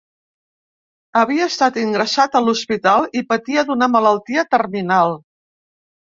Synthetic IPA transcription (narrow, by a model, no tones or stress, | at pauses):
əβiəːst̪at̪iŋɡɾəsat̪əluspit̪alˠipət̪iəd̪unəmələlˠt̪iət̪ərminalˠ